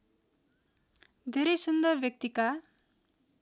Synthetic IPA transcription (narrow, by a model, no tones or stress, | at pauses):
d̪ʱeɾejsund̪ʌɾbjʌk̚t̪ika